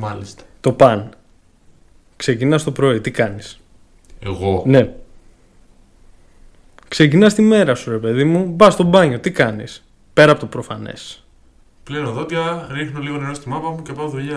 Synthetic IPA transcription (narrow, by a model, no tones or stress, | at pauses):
mɐlist̪ɐ̥t̪o̞pɐn | kse̞cinɐst̪o̞pɾo̞it̪ikɐnis | ḛɣone̞ | kse̞cinɐst̪ime̞ɾɐsuɾe̞pe̞ðimubɐst̪o̞bɐɲo̞t̪ikɐnḭs | pe̞ɾɐːpo̞t̪opɾo̞fɐ̰ne̞̰s | pleoðot̪iɐɾixnoliɣoneɾost̪imɐpɐmucepɐoðuʎɐ